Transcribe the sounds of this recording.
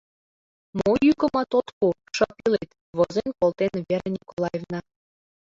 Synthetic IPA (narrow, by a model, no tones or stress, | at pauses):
mojykə̆mɑt̪ot̪kuʃɤpilet̪ | βozenkolˠt̪enβeɾenʲikolˠɑjevnɑ